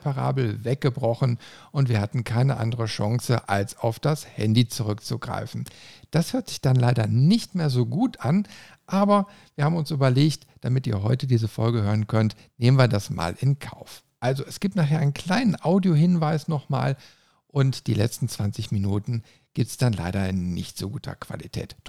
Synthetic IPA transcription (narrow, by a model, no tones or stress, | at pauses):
pʰaʁa̰ːbl̩vɛk̚ɡ̥əbʁɔχn̩ʔʊntv̥iːɐhatn̩kʰaɪnəʔa̰ndəʁəʃɔŋsəʔalsaʊfd̥ashɛ̰ndit͡suʁ̞ʏkt͡suɡʁa̰ɪfn̩d̥ashøːɐtz̥ɪçd̥anlaɪdɐnɪçtmeːɐzoːɡuːtʔan | ʔaːbɐ | v̥iːɐhaːbm̩ʊnsʔyːbɐleːçt | d̥amɪtiːɐɦɔʏtədiːzəfɔlɡəhøːʁənkʰœnt | neːmənviːɐdasma̰ːlɪnkʰa̰ʊf | ʔalzoɛsɡ̥iːp̚tnaχɦeːɐʔaɪnkl̥aɪnənʔaʊdjoɦɪnvaɪsnɔχma̰ːl | ʔʊntd̥ḭːlɛ̰t͡stn̩t͡sv̥ant͡sɪçminuːtn̩ | ɡ̥iːp̚tsd̥anla̰ɪɾɐɪnnɪ̰çtz̥oːɡuːtʰɐ̰kv̥a̰litʰɛ̰ːt